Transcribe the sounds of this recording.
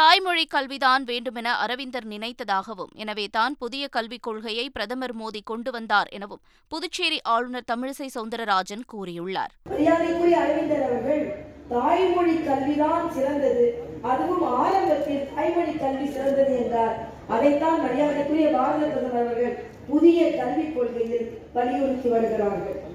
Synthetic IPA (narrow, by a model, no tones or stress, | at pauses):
t̪aːjmɔɻikːɐlʋiðaːnʋeːɳɖɯmɛnɐʔɐɾɐʋɪnd̪ɐɾnɪnɐɪt̪ːɐðaːɣɐʋɯ̰mɛ̰nɐʋeːt̪aːnpʊðɪjɐkɐlʋɪkːɔɻɣɐjɐɪpɪɾɐðɐmɐɾmoːðikɔɳɖɯʋɐnd̪aːɾʔɛ̰nɐʋɯm | pʊðʊt͡ʃːeːɾiʔaːɻɯnɐɾt̪ɐmɪɻsɐɪsɐʊnd̪ɐɾɐɾaːd͡ʒɐnkuːrɪjɯɭːa̰ːɾʋɐɾɪjaːðɐkːɯɽɪjɐːɾɐʋɪnd̪ɐɾɐʋɐɾɣɐɭt̪aːjmɔɻikːɐlʋɪðaːnsɪɾɐnd̪ɐðɯɐðɯʋɯmaːɾɐmbɐt̪ːɪlt̪aːjmɐɻɪkːɐlʋisɪɾɐnd̪ɐðɯɛndraːɾ | ʔɐðɐɪt̪ːaːnʋɐɾɪjaːðɐkːɯɾɪjɐbaːɾɐðɐt̪ːɐnɐnɐʋɐɾɣɐɭ | pʊðɪjɐkɐlʋɪkːɔɭɣɐjɪlpɐlːɪjɔɾɯk̪ːiʋɐɾɯɣɪraːɾɣɐɭ